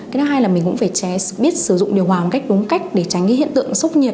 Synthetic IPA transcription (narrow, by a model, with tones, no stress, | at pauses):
ka˨˦nɔ˨˦ɦaː˧jlaː˨˩mi˨˩kʊ̰˧˥faː˧˩t͡ɕɛ˧˦ɓi˦˥ət̚sɨ˧˩zʊ̰˧˨ŋ͡mɗi˨˩əwɦwaː˨˩m̚˨˩ka˦˥jk̚ɗʊ˨˦ŋ͡mka˦˥jk̟̚ɗe˧˩t͡ɕa˨˦jŋ̟ki˨˦ɦḭ˧˨nt̪ɨ̰˧˨əŋsə˦˥wk͡p̚ɲi˨˩əp̚